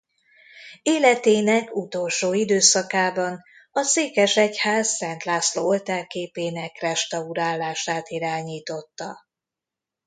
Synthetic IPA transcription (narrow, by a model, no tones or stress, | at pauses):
eːlɛt̪eːnɛkut̪o̞lʃoːid̪øːsɒkaːbɒn | ɒseːkɛʃɛchaːzːɛnt̪laːsloːolt̪aːrkeːpeːnɛkrɛʃt̪ɒuɾaːlːaːʃaːt̪iɾaːɲiːt̪o̞t̪ːɒ